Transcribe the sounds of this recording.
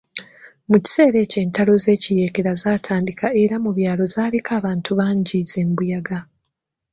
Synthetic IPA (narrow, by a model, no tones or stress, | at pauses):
muci̥se̞ːɾe̞ːce̞ːntalo̞ze̞ːcije̞keɾazaːtʰaːndikaeɾamuβjaːlo̞zaːlekʰaːβaːntʰuβaːɲɟize̞mbujaɡa